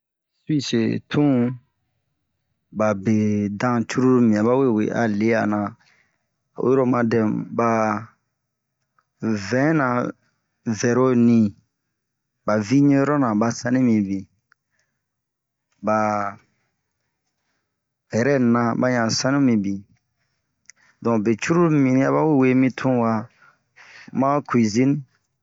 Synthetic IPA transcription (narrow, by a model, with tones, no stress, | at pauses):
swi˦se˨tʰũ˦ | ba˨be˨dã˦t͡ʃu˦ɾu˦mĩ˨ã˨ba˦we˦˨wḛ˨ʔa̰˨le˦a̰˨nã˨ | wo̰˦ɾo˦mã˧dɛ˨ba˨ | vɛ̃˨˦nã˨ | vɛ˨ɾo˦nĩ˨ | ba˨vi˦ɲõ˦ɾɔ˦nã˨ba˨sã˦nĩ˦mĩ˨bi˨ | ba˨ | ɛ˨ɾɛ˦nã˨ba˦ɲã˨sã˦nĩ˦mĩ˨bi˨ | dɔ̃˨be˨t͡ʃu˦ɾu˦mĩ˨nĩ˦a˦βa˦we˦˨we˦˨mĩ˦tʰũ˦wa˨ | mã˦kwi˨zĩ˦n˦